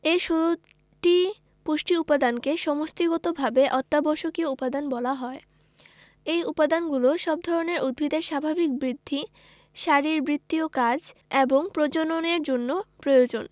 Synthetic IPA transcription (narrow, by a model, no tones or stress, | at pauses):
eʃu | ʈi | poʃʈiupad̪ankeʃɔmost̪iɡɔt̪obʱabeʔɔt̪ːaboʃokioupad̪anbɔlaɦɔe | ejupad̪anɡuloʃɔb̚d̪ʱɔɾoneɾʔud̪̚bʱid̪eɾʃabʱabik̚bɾid̪ʱːi | ʃaɾiɾbɾit̪ːiokad͡ʑeboŋpɾod͡ʑononeɾd͡ʑonːopɾojod͡ʑon